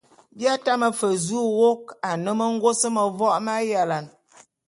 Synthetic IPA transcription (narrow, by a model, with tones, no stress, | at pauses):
bja˦ta˦mə˨fə˨zu˦wo˦ka˨nə˦mə˦ŋ̩˦ɡo˦sə˦mə˨vɔ˦ʔma˦ja˨la˨n